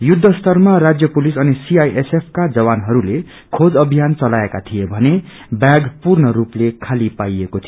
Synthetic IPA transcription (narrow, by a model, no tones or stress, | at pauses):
jud̪ʱːʌst̪ʌrmarad͡zjʌpulisʌnisiajʔesepʰkad͡zʌwanɦʌɾule | kʰod͡zʌbʱijant͡sʌlaekat̪ʰijebʱʌne | bjaɡpurnʌɾuplekʰalipajekot̪ʰio